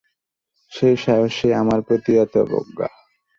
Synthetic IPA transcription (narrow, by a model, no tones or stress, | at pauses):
ʃejʃɔɦoʃeamaɾpɾot̪iat̪obo̰ɡːa̰